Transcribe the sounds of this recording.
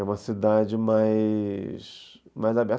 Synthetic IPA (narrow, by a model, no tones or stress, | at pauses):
ũmɐsid̪ad͡ʒɪmajsmajzabɛɾ